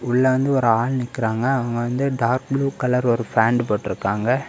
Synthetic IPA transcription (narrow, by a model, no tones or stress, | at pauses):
ʊɭːɐʋɐnd̪ɯɔɾɯaːɭnɪkːɪɾaːŋɡɐɐʋɐŋɡɐʋɐnd̪ɯɖaːɾk̚bɭuːkɐlɐɾɔɾɯfaːɳɖpoːʈːɪɾɯkːaːŋɡɐ